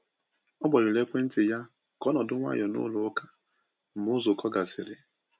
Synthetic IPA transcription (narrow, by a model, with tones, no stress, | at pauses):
ɔ˦bɔ˨ɾɪ˨le˦kʷe˦n̩˦tɪ˨ja˦ | kɔ˦nɔ˨dʊ˦ŋʷa̰˦jɔ˨nʊ̰˦lʊ˨ʊ˦ka˦ | m̩˨mʊ˦zʊ˨kʰɔ˦ɡa˨sɪ˨ɾɪ˦